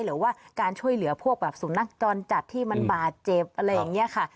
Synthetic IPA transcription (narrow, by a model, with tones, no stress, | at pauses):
jɾɯː˩˦waː˥˩kaː˧nt͡ɕʰu˥˩əjlɯ˩˦ɐpʰu˥˩ək̚bɛː˨˩p̚suː˩˦nːa˦˥˩k̚t͡ɕɔː˧nt͡ɕa˨˩t̪ʰːiː˥˩ma˧nbaː˨˩t̪̚t͡ɕe˨˩p̚ʔa˧ɾa˧jːa˨˩ŋni˦˥ɐkʰa˥˩